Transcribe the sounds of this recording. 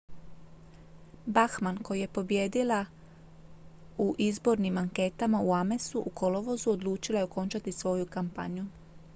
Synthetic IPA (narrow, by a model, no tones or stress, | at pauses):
baxmanko̞jije̞po̞bje̞ːd̪ila | uʔizbo̞ɾnimaŋke̞t̪amauame̞suʔukʰo̞lo̞ʋo̞zuo̞d̪luːt͡ʃilaeo̞ko̞nt͡ʃat̪isʋo̞jukampa̰ɲu